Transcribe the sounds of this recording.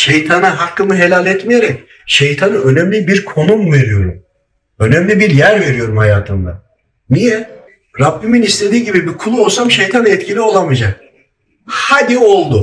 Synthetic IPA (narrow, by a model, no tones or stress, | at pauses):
ʃejt̪ʰanaɦakːɯmɯɦe̞lʲalʲɛt̪mijeɾɛc | ʃejt̪ʰanɯø̞næmlʲibiɾkʰo̞numve̞ɾijo̞ɾum | ø̞næmlʲibiɾjæɾve̞ɾijo̞ɾumhajaːt̪ʰɯnd̪a | nijɛ | ɾapːiminist̪ʰe̞d̪iːɟibibikʰulˠuolˠsamʃejt̪ʰanɛt̪cʰilʲio̞lˠamɯd͡ʒak̚ | had̪io̞lˠd̪ʊ